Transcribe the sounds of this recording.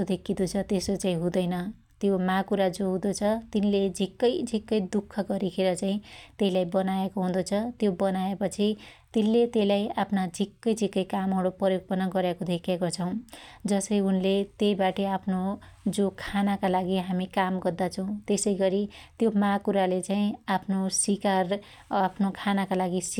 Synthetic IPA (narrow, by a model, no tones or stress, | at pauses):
d̪ʱekʰːid̪ut͡sʰʌt̪esot͡saĩɦũd̪ʌjnʌ | t̪jomakuɾad͡zoɦũd̪ot͡sʰʌt̪inled͡zʱikːʌjd͡zʱikːʌjd̪ukʰːʌɡʌɾikʰeɾʌt͡saĩt̪eɦilajbʌnaekoɦũd̪ot͡sʰʌt̪jobʌnaepʌt͡sʰit̪inlet̪eilajapʰnad͡zʱikːʌjd͡zʱikːʌjkamʌɽoprʌjoɡ̚pʌnʌɡʌɾjekod̪ʱekʰekot͡sʰʌw̃d͡zʌsʌjunlet̪ejbaʈeapʰno | d͡zokʰanakalaɡiɦamikamɡʌrd̪at͡sʰʌw̃t̪esʌjɡʌɾit̪jomãkuɾalet͡saĩapʰnosikar | apʰnokʰanakalaɡis